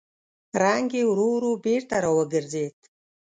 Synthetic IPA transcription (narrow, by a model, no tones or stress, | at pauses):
raŋɡʲiwɾuwɾubertʰʼaɾawaɡɨrd͡zejtʼ